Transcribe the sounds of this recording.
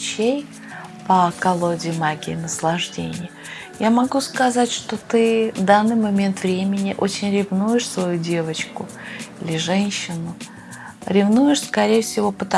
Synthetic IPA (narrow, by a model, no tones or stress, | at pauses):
t͡ɕej | pəkɐlˠo̞dʲɪːmaɡʲɪɪnəslˠɐʐdʲenʲɪjə | jamɐɡuskɐzatʲʂt̪o̞t̪ɨvd̪anːɨjmɐmʲe̞nt̪vɾʲemʲɪnʲɪʔo̞t͡ɕɪnʲɾʲɪvnujɪʂsvɐjudʲe̞vət͡ɕkʊ | ilʲɪʐɛnʲɕːɪnʊ | ɾʲɪvnujɪʂskɐɾʲejəfsʲɪvo̞pət̪ɐ